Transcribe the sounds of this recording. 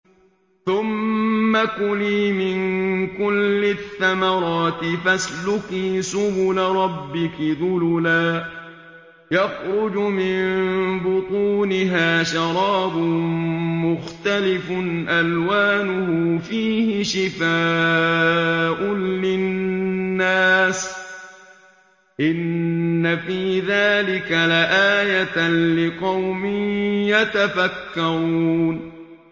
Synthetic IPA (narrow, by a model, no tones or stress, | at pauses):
θʊmːakʊliːmɪnkʊlːɪθːamɑɾˤɑːt̪ɪfaslʊkiːsʊbʊlaɾˤɑbːɪkɪðʊlʊlaː | jɑxɾʊd͡ʒʊmɪmbʊt̪ˤuːnɪɦaːʃɑɾˤɑːbʊmmʊxt̪alɪfʊnʔalwaːnʊhʊfiːhɪʃɪfaː | ʔʊnlɪnː | aːs | ʔɪnːafiːðaːlɪkalaʔaːjat̪lɪqɑwmɪjat̪afakːaɾuːn